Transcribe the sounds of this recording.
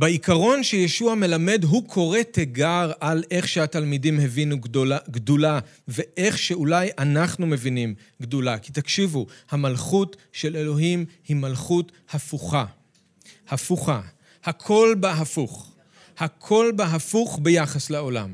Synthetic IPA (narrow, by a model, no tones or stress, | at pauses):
beikaʁo̞nʃejeʃuame̞lame̞dɦukʰo̞ʁe̞tʰeɡaʁalʔe̞χʃehatalmidimhe̞vinuɡdolave̞ʔe̞χʃeulajʔanaχnume̞vinim | ɡdolakit̪akʃivuhamalχutʃe̞le̞lo̞ɦimhimalχut | hafuχa | hafuχa | hakʰo̞lbaɦafuχ | hakʰo̞lbeɦafuχbejaχasleo̞la̰m